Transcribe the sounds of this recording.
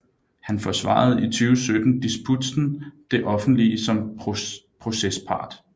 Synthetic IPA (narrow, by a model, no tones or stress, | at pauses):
hænfɒ̽sʋɑ̰̈ð̞̩ˠit͡sʰyːʊsød̥n̩d̥isb̥ʰud̥sn̩d̥e̝ʔɒ̽fn̩d̥lisɒ̽m | pʰʁo̝sespʰɑ̈ːd̥